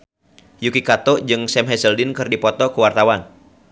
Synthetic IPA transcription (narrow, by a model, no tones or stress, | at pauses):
jukikat̪ɔd͡ʒɨŋsɛmɦɛsəldinkɨrdipɔt̪ɔkəwart̪awan